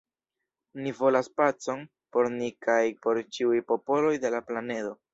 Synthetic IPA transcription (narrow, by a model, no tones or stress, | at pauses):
nivo̞laspat͡so̞n | po̞ɾnikajpo̞ɾt͡ʃiujpo̞po̞lo̞jde̞laplane̞do̞